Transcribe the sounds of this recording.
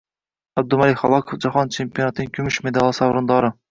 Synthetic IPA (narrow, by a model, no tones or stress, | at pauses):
æb̚d̪umælɪχɑlˠɑkʰofd͡ʒɑχɑnt͡ʃʰempijonɑt̪ʰɨnɪŋkʲʰymyʃmed̪ɑlˠɨsɑwɾɨnd̪ɑɾɨ